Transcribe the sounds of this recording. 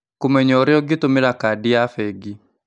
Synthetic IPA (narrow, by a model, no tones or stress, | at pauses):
komɛɲɔɾeɔɡetomeɾakaːdiafɛɡi